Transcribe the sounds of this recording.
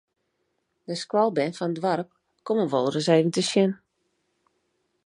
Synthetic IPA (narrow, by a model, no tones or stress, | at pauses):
dəskwɔlˠbɛnfɔnədʋarp̚ | komənʋolˠərəseːvən̩təsjɪn